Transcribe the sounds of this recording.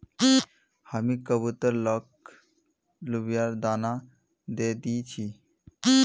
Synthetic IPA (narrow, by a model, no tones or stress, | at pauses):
həmikəbut̪əɾlɔk | lubijaɾd̪ana | d̪ed̪iːt͡ʃʰi